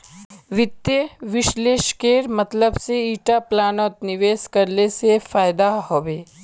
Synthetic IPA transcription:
ʋɪt̪jəʋɪʃleːʃkeːɾmɐt̪ləbseiːʈaplaːnɔːt̪nɪʋeːskɐɾlesefaːjd̪ahoːʋeː

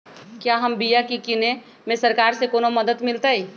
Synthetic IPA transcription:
kjaɦəmbijakikɪne | mẽsəɾkaːɾsekoːnoməd̪ət̪mɪlt̪aɦi

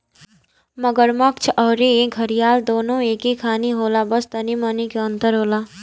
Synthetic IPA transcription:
mʌɡʌɾmʌk̚t͡ʃʰʌwɾĩɡʱʌɾijald̪onõekikʰaniɦolabʌst̪ʌnimʌnikeʌnt̪ʌɾɦola

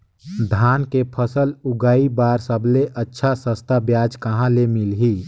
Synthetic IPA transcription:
d̪ʱaːnkepʰəsəlʊɡaːibaːɾsəbleʔətːʃʰasəst̪ʰabjaːd͡ʒkəɦãlemɪlɦiː

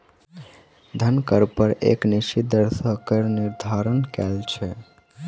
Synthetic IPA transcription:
d̪ʱənkəɾpəɾḛkniʃid̪əɾsəkəɾniɾd̪ʱaɾənkɛlt͡ʃʰɛ

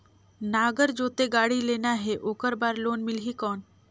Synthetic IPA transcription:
naːɡəɾd͡ʒoːt̪eɡaːɽileːnaɦeʔoːkəɾbaːɾloːnmɪlɦikɔːn

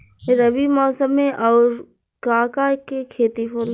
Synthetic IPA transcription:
ɾəʋimɔːsəmːẽʔɔːɾ | kaːkakekʰeːt̪ipʰoːl

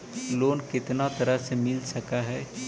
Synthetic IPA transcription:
loːnkɪt̪nat̪ɐɾəɦsemɪlsɐkaɦɛː

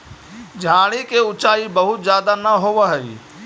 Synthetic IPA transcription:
d͡ʒʱãːɽ̃ikeʊt͡ʃaːibɐɦʊt̪zjaːd̪anɐɦoʋəɦəiː

